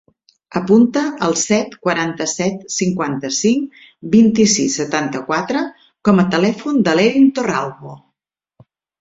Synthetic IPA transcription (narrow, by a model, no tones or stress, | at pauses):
əpunt̪əʔəlˠsɛt̪kwəɾant̪əsɛt̪siŋkwant̪əsiŋ | bint̪isisːət̪ant̪əkwat̪ɾə | kɔmət̪əlɛfund̪əleɾint̪oralβo